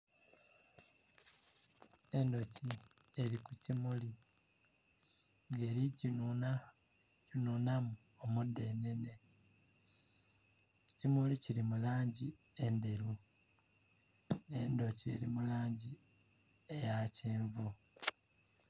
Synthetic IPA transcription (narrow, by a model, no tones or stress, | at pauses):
e̞ndo̞ci | e̞ɾikucimuli | ŋɡe̞ɾiɟ | ununamu | omudːe̞ne̞ne̞ | cimuliciɾimulaːɲɟi | e̞nde̞ɾu | ne̞ndo̞cie̞̰ɾimulaːɲɟi | ejaceːɱvu